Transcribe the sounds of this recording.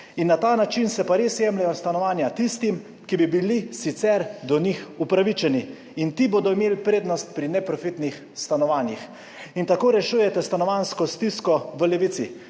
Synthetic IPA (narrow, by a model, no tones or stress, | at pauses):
inːat̪aːnat͡ʃinsɛpaɾesjɛmlɛjɔst̪anɔʋaːnjat̪ist̪im | kibibilisit̪sɛɾd̪ɔnixupɾaʋit͡ʃɛni | int̪iboːd̪ɔimeːlpɾeːd̪nɔst̪̚pɾinɛpɾɔfit̪nix | st̪anɔʋaːnjix | int̪akoːɾɛʃuːjɛt̪ɛst̪anɔʋanskɔst̪iskɔʋəlɛʋit̪sḭ